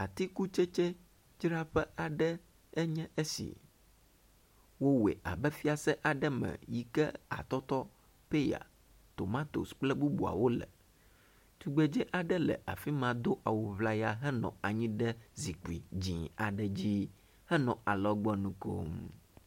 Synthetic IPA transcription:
a˨t̪i˦ku˦t͡ʃɛ˦t͡ʃɛ˦ | d͡ʒɾa˦ɸɛ˦a˨ɖɛ˦ | ɛ˦ɲɛ̃˦ʔe˦sḭ˨ | wo˦wḛ˨ʔa̰˨bɛ˦fi˦a˨sɛ˦ʔa˨ɖɛ˦mɛ̰̃˨ji˦kɛ̰˦a̰˨t̪ɔ˦t̪ɔ˦ | pe˦ja̰˨ | t̪o˨mã˦t̪o̰˨sk͡plɛ˦bu˦bu˨a̰˨wo˦lɛ̰˨ | t̪u˨ɡ͡be˨d͡ʒɛ˦ʔa˨ɖɛ˦lɛ̰˨ʔa̰˨fi˦mã˨d̪o˦ʔa˨wo˨βla˦ja˦ɦɛ˦nɔ̰̃˨a˨ɲĩ˦ɖɛ˦zi˨k͡pi˨d͡ʑĩ˨a˨ɖɛ˨d͡ʑi˦ | hɛ˦nɔ̃˨ʔa˨lɔ˦ɡ͡bɔ˦nũ˦ko̰˦m

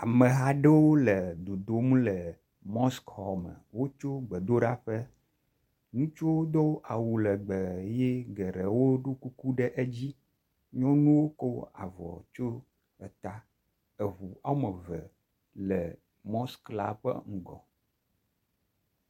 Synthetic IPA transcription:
a˨mə˨ɦa˦ɖɛ˦wo˦lə˨d̪o˨d̪o˦mũ˦lə˨ | mɔ˦skhɔ˦˨mə̰˨wo˦t͡ʃo˦ɡ͡bɛ˨d̪o˦ɖa˦ɸə˦ | nũ˦t͡ʃo˦wo˦d̪o˦ʔa˨wu˨lə˨ɡ͡bə˨je˦ɡɛ˨ɾe˨wo˦ɖo˦ku˦ku˦ɖɛ˦ʔe˦d͡ʑi˦ | ɲɔ̃˦nũ˦wo˦ko˦a̰˨vɔ̰˨t͡ʃo˦ | ə˨t̪a˦ | ə˨βu˨a˦wo˦mə˨və˨ | lə˨ | mɔ˦skla̰˦ɸə̰˦ŋ̩˨ɡɔ̰˨

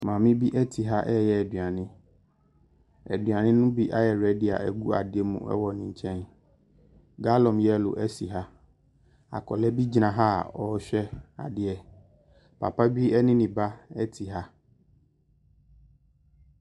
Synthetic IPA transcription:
mã˨mɪ̃˦bi˦ʔɛ˦tʰi˨ɦa˦ʔɛ˦jɛ˨ɛ˨dɥa˨nɪ̃˦ | ɛ˨dɥa˨nɪ̃˦nʊ̃˦bi˦ʔa˦jɛ˨ɾɛ˦dɪ˦a̰˨ɛ˨ɡu˦a̰˨dɪ˦ɛ˦mṵ̃˨ɛ̰˦wɔ˨nɪ̃˨ɲ̩˨t͡ɕʰɛ̃˦n | ɡa˦lɔ̃˨mjɛ˦˨lʊ̰˨ʔɛ˦si˨ɦa˦ | a̰˨kʰɔ˨lɛ˦bi˦d͡ʑi˨˦nã˨ɦa̰˦˨ɔ˦ɕᶣɛ˦a̰˨dɪ˦ɛ˨ | pʰa̰˨pa˦bi˦ɛ˦nɪ̃˦nĩ˨ba˦ɛ˦tʰi˨ɦa˦

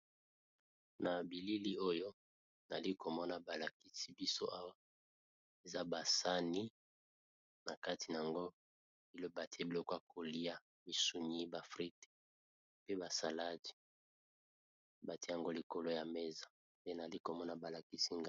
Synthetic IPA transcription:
na˨bi˨li˦li˦o˦jo˦ | na˨li˦ko˨mɔ˦na˦ba˨la˨ki˦si˦bi˦so˦ʔa˦wa˦ | e˨za˦ba˨sa˦ni˦ | na˨ka˦ti˨na˨a˨ŋɡo˦ | bi˨lo˦ba˨te˦bi˨lo˨ka˨kʰo˨li˦a˦ | mi˨su˨ɲi˦ba˨fʁi˦te̥˦ | pe˦ba˨sa˨la˦di̥˨ | ba˨te˦ja˨ŋɡo˦li˨ko˦lo˦ja˨me˦za˨ | nde˦na˨li˦ko˨mɔ˦na˦ba˨la˨ki˦si˦ŋɡ

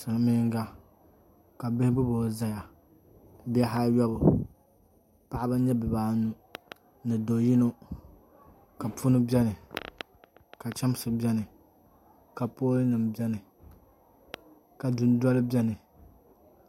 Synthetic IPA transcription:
sa˨ŋa˨mɪ˦ŋ˦ɡa˦ | ka˨bɪ˦hɪ˦bɨ˦boː˨za˦ja˨ | bi˦ɛ˦ɦa˦jɔ˦bʊ˨ | pa˨ʔa˦ba˦ɲɛ˦bɨ˨baː˦nu˦ | nɨ˨do˨ji˦no˦ | ka˨pu˦nɨ˦bʲɛ˦nɨ˨ | ka˨t͡ʃɛ˦m˦sɨ˨bɛ˦nɨ˨ | ka˨poː˦lɨ˦nɨ˨mbjɛ˦nɨ˨ | ka˨du˨n˦dɔ˦lɨ˦bɛ˦nɨ˨

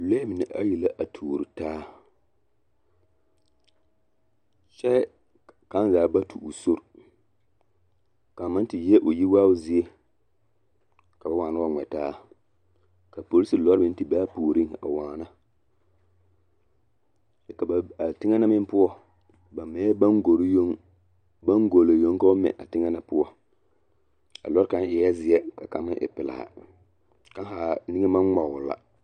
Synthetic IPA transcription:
le˦mɪ˨ni˨ʔa˦ji˨la˦ʔa˨tʰuː˨ɾi˨taː˦ | ʃɛ˦ | ka˨˦n˦zaː˨˦ba˦tʰṵ˨ʔu˨so˦ɾ | ka˨ma˦n˦ti˨jɛ˦ʔo˨ji˦waː˦zi˦e˦ | ka˨ba˨˦waː˨na˦a˦ŋɛ˨taː˦ | ka˨po˨li˦sɨ˨lɔ˦ɾɪ˦n̩˦ti˦ba˦poː˨ɾi˦ŋa̰˨waː˨na˦ | ɛ˦ka˨ba˨a˨tɪ˦ŋɛ˦na˦mɪ˦m˦pʊ˦ɔ˦˨ | ba˨mɛ˨˦ɛ˦ba˦ŋɡo˨ɾjo˦ŋ | ba˦ŋɡo˨lo˨jo˦ŋ˦ka˦ʊ˦mɛ̰˨ʔa˨tɪ˦ŋɛ˦na˦pʊ˦ɔ˦ | a̰˨lɔ˦ɾka˦nɪ˨ja˦zɪ˨ɛ˦ka˨ka˨˦mɪ˦ʔɪ̰˨pɪ˨la̰˨a̰˨ | ka˦ha˨ni˦ŋɛ˦ma˦ɔ˨ʊ˨la̰˨

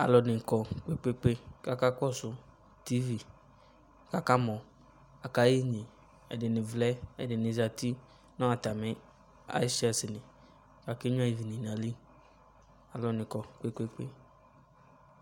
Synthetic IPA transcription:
a̰˨lɔ˨nɪ˨kɔ˨k͡pe˦k͡pe˦k͡pe˦ka˦ka˦kɔ˦˨sʊ˦ | ti˦vi˨ | ka˦ka˦mɔ̃˨ | a˨ka˦ji˦ɲɪ̃˨ | ɛ̰˨dɪ˨nɪ˨vlɛ˦ɛ̰˨dɪ˨nɪ̃˨za˨ti˦ | nɔ̃˦a˨ta˨mɪ̃˦ | a̰˦si˦a˨sɪ˨nɪ˨ | ka˨kɪ˦ɲ˦a˦i˨vi˨nɪ̃˨na˨li˦ | a˨lɔ˨nɪ̃˨kɔ˨k͡pe˦k͡pe˦k͡pe˦

